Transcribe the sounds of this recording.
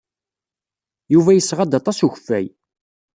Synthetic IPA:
juvæjəsːʁɑd̪ɑt̪ˤɑsuçəfːæ̰j

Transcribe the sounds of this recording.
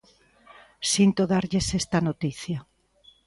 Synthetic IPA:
sint̪oðaɾʎesest̪anot̪iθja

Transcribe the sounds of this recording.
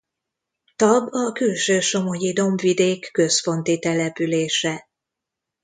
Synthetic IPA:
t̪ɒbɒkylʃøːʃo̞mo̞jid̪o̞mvid̪eːkːø̞sfo̞nt̪it̪ɛlɛpyleːʃɛ

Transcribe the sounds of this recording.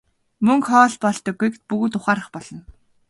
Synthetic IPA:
mɵŋkχɔːɮpɔɮt̪ɞ̆ɡujk̪pɵɣɵt̪ʊχaːɾə̆χpɔɮ̥ɞ̆n

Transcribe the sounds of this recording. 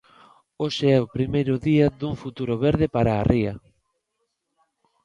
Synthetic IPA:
oʃeɛʊpɾimejɾʊðiɐðuŋfut̪uɾʊβeɾðepaɾaːrʔiɐ

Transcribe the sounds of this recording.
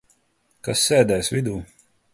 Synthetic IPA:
kasːɛːd̪ɛːjsvʲid̪uː

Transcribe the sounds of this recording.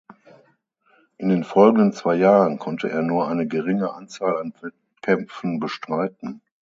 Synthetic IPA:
ʔɪndeːnfɔlɡŋ̩dənt͡sv̥aɪjaːʁənkʰɔntʰəʔḛːɐnuːɐʔaɪnəɡəʁɪŋəʔant͡saːlanvɛt̚ | kʰɛmp͡fn̩bəʃtʁ̥aɪtn̩

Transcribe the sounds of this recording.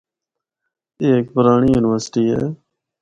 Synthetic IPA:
eːeːk̚pʊɾaːɳiːjuːnɪʋəɾsʈiːɦḛː

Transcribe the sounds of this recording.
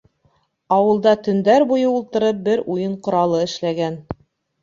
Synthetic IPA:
ɑwɤ̆lˠd̪ɑt̪ɵ̆nd̪æɾbujɤulˠt̪ɤ̆ɾɤp̚bɘɾujɤɴqŏɾɑlˠɤɘ̆ʃlæɡæn

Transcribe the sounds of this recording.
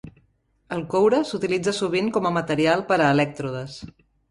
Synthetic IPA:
əlˠkowɾəsut̪ilid͡zəsuβ̞iŋkɔməmət̪əɾialˠpəɾəːlɛk̚t̪ɾuðəs

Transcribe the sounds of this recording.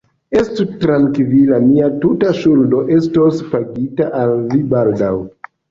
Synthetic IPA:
estutɾaŋkvilamiatutaʃuldo̞ʔe̞stospaɡitaʔalvibaldaw

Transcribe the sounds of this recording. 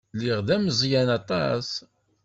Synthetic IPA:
liʁðæməzˤjænɑt̪ˤɑs

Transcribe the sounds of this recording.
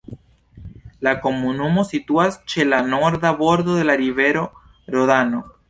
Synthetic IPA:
lakomunumosit̪uast͡ʃelanoɾðaβoɾðoðelaɾiβeɾo | ɾoðano

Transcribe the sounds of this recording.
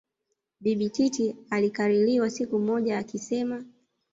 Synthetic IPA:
ɓiɓititialikaɾiliwasikum̩mɔʄaːkisɛma

